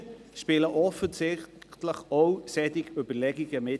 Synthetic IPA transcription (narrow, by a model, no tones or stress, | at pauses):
ʃpɪːləʔɔfənsɪχtləχowsɛdɪɡyb̥ərlɛɡɪɡəmɪ